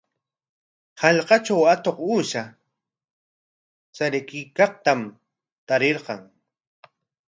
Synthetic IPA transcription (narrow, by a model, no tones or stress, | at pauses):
hɑʎqɑt͡ʃawat̪oquːʃa | saɾɪkɪkɑqt̪am | t̪aɾeɾqɑŋ